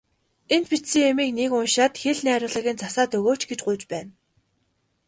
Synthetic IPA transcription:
ent̪̚pit̪sĭŋemiːknekʊnʃaːt̪xeɮnæːɾʲʊːɮĭɣĭnt͡sʰasaːt̪ɵɣoːt͡ɕɡet͡ɕɢʊjt͡ɕpæːn

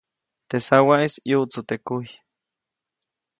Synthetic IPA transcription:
t̪esawaʔisjuʔt͡sut̪ekuj

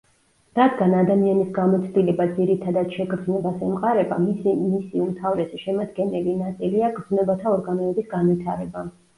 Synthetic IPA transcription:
ɾad̪ɡanad̪amianisɡamɔt̪sʰd̪ilɛbad̪ziɾit̪ʰad̪ad̪ʃɛɡɾznɛbasɛmqʼaɾɛbammisiumt̪ʰavɾɛsiʃɛmad̪ɡɛnɛlinat̪sʼiliaɡɾz̥nɛbat̪ʰaɔɾɡanɔɛbisɡanvit̪ʰaɾɛba

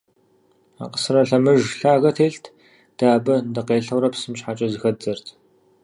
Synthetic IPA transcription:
a̰ːqə̥sɨrɐɬɐmɨʒɬaːɣɐtʰeːɬtʰ | d̥aːbɨndɨqeːɬɐwɾɐpsɨmɕħaːt͡ʃʼɐzɨxɐd͡zɐrtʰ

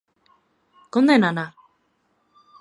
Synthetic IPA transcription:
konenana

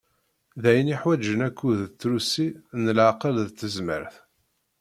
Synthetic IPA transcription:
ðæjəniħwæd͡ʒənækʰːuðt͡sːɾusinəlʕaqəlðət͡s̪ːəzmə̰ɾθ

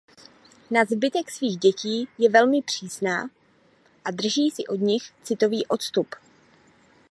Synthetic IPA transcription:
nazbɪt̪ɛksviːɣɟɛciːjɛvɛlmɪpr̝̥iːsna̰ː | ʔadr̩ʒiːsɪʔo̞d̪ɲɪxt͡sɪt̪o̞viːʔo̞t̪st̪up

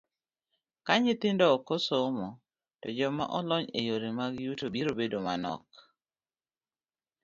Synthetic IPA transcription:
kaɲɪt̪ɪndɔɔkosomɔ | tɔd͡ʒɔma̰ʔɔlɔɲejoɾemaɡjutobiɾobedoma̰nɔ̰k

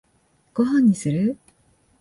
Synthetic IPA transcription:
ɡ̥oɦãɲ̟ːisɨɾɯ

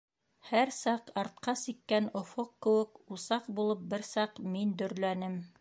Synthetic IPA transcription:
hæɾsɑqɑɾt̪̚qɑsikːænŏfoqkɘ̆wɘkusɑqbulˠɤp̚bɘɾsɑqmind̪ɵ̆ɾlænɘm

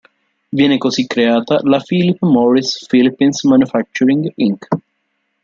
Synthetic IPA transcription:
vjɛːnekosikːɾeaːt̪alafilipːmɔɾisfilipːinsmanufak̚t͡ʃuɾiŋɡiŋk

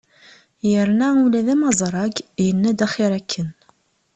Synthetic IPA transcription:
jəɾnæulæðæmɑzˤɾˤɑɡjənːæd̪æχɪɾækʰːən

